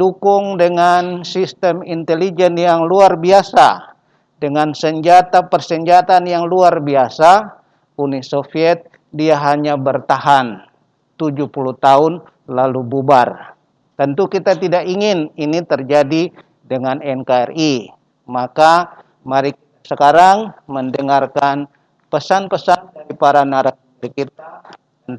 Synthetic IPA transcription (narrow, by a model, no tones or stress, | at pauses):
dukʊŋdəŋansist̪ɛmint̪ɛlid͡ʒɛnjaŋluarbiasa̰ | dəŋansəɲd͡ʒat̪apərsəɲd͡ʒat̪anjaŋluarbiasa | unisofiɛt̪̚ | diaɦaɲabərt̪aɦan | t̪ud͡ʒuhpulut̪aʊn | lalububar | t̪ənt̪ukit̪at̪idakiŋɪninit̪ərd͡ʒadi | dəŋanɛnkaɛ̰ri | maka | maɾikit̪asəkaɾaŋməndəŋarkan | pəsanpəsandaɾipaɾanaɾa | aɾikit̪a | n